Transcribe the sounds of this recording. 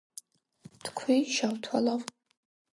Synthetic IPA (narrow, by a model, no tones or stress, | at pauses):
d̥kʷʰiʃawtʰalawʼ